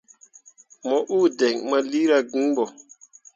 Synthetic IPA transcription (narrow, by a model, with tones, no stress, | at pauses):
mɔ˨ʔu˦˨dɛ˨ŋma˦li˦ɾa˦ɡi˦bɔ˨